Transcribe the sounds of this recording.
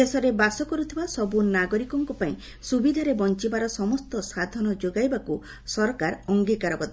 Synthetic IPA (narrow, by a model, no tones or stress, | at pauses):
esɔɾebasɔkɔɾut̪ʰibasɔbunaɡɔɾikɔŋkupaĩ | subid̪ʱaɾebɔnt͡ʃibaɾɔsɔmɔst̪ɔsad̪ʱɔnɔd͡ʒoɡajbaku | sɔɾɔkaɾɔŋɡikaɾɔbɔd̪